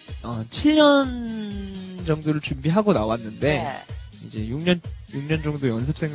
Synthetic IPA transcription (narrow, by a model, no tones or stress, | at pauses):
ʌt͡ɕʰiɭɲʌn | d͡ʑʌŋdoɾɯɭt͡ɕumbiɦaɡonawanːɯnde̞ | ḭd͡ʑe̞juŋɲʌnjuŋɲʌnd͡ʑʌŋdojʌnsʰɯ̥p̚s͈ʰe̞ŋ